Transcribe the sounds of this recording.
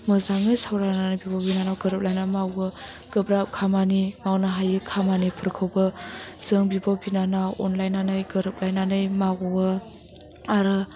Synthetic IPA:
mɯzaŋɯjsawɾananɯjbibabinanawɡəɾɯp̚lajnamawɯ | ɡ̥ɯbɾap̚kʰamanimawnaɦajikʰamanipʰɯɾkʰawbɯz̥ɯŋbibabinanawɔnlajnanɯjɡəɾɯp̚lajnanɯjmawɯ | aɾɯ

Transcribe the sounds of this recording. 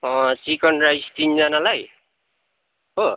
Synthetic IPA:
ʌsikʌnɾajst̪ind͡zʌnalaj | ɦo

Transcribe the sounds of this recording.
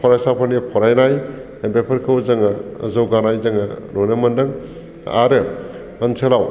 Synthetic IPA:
pʰɔɾajsapʰanipʰɔɾajnaj | bepʰɐɾkʰɯwzɐŋazowɡanajzɐŋaɾojnɯmɐndɯŋ | a̰ɾɯ | ɐnsʰelaw

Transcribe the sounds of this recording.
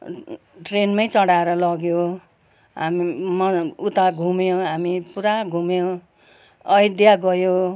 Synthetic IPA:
ʈrenmʌjt͡sʌɽaeɾʌlʌɡjo | ɦa̰mimʌut̪aɡʱumjoɦamipuɾaɡʱumjo | ʌjd̪jaɡʌjo

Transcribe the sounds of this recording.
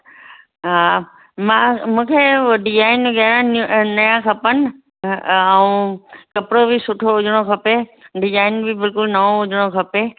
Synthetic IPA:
ɦaː | mãmũːkʰeɖɪd͡ʑaːɪnbɪɡɛːɾãnɐjãkʰɐpənɪ̆ | əũkɐpɪɽobɪsʊʈʰoʊd͡ʑʱɽ̃okʰɐpeɖɪzaːɪnbɪbɪlkʊlnɐʋõʊd͡ʑʱəɽ̃okʰɐpe

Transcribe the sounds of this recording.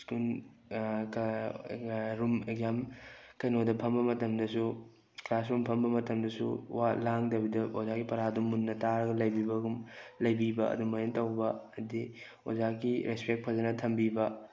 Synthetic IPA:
skun | k | ɾumeɡjamkɐjnodɐpʰɐmbɐmɐtɐmdɐsu | klas̬ɾumpʰɐmbɐmɐtɐmdɐsuwalaŋdɐbidɐozaɡipɐɾadumːunːɐtaɾɐɡɐlɐjbibɐɡumlɐjbibɐɐ̰duŋmɐjentɐwbɐɐdi | o̰zakiɾespek̚pʰɐzɐnɐtʰɐmbibɐ

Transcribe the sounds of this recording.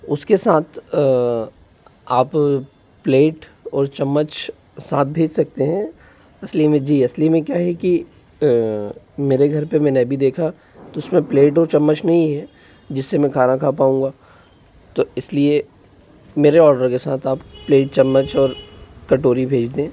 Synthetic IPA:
ʊskesaːt̪ʰ | aːp | pleːʈɔːɾt͡ʃɐmːət͡ʃ | saːt̪̚ʰbʱeːd͡ʒsɐk̚t̪eɦɛ̃ | ɐslimẽd͡ʒiːɐslimẽkjaːɦɛki | meːɾeɡʱɐɾpemɛ̃ːnebʱid̪eːkʰa | t̪oʊsmẽpleːʈ̬ɔːɾt͡ʃɐmːət͡ʃnɐɦĩɦɛ | d͡ʒɪsːemɛ̃kʰaːnakʰaːpaːũːŋɡaː | t̪oɪslie | meːɾeɔːɾɖəɾkesaːt̪ʰaːppleːʈ̚t͡ʃɐmːət͡ʃɔːɾkɐʈoːɾibʱeːd͡ʒd̪ẽː

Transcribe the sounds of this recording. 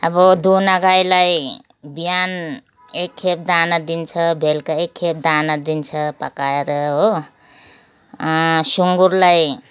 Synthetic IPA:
ʌbʌd̪unaɡajlaj | bijan | ekʰːep̚d̪anʌd̪int͡sʰʌbʱelkaekʰːep̚d̪anʌd̪int͡sʰʌpakaeɾʌɦo | suŋɡuɾlaj

